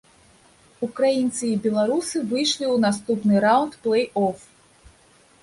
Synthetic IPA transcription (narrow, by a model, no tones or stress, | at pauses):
ukɾajint̪sɨibʲɛlˠaɾusɨvɨjʂlʲiwnast̪upnɨɾawnt̪plˠɛjɔf